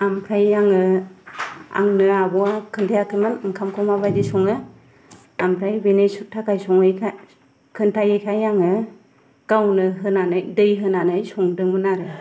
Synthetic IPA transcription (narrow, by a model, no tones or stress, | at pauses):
ampʰɾajaŋɯ | a̰ŋnɯabɔakʰɯntʰajakʰɯmɯnɯŋkʰamkʰɔmabadisɔŋɯ | ampʰɾajbenesutʰːakajsɔŋɯjkʰa | kʰɯntʰajɯjkʰajaŋɯ | ɡ̥awnɯɦɯnanajdɯjɦɯnanajsɔŋdɯŋmɯnaɾɯ